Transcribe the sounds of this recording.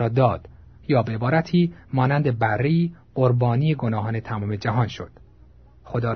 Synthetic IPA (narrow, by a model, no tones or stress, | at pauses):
ɒːd̪ɒːd̪̥ | jɒːbeebɒːɾæt̪ʰiːmɒːnænd̪ebærːeiːɢ̥oɾbɒːniːjeɡo̞nɒːɦɒːne̞t̪ʰæmɒːme̞d͡ʒæɦɒːnʃo̞̰d̪̥ | xod̪ɒː